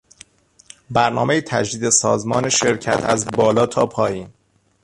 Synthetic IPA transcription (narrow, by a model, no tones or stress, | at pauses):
bæɾnɒːme̞jet̪ʰæ̰d͡ʒd̪iːd̪esɒ̰ːzmɒːneʃe̞ɾcʰæ̰t̪ʰæ̰zbɒːlɒːt̪ʰɒːpʰɒːjiːn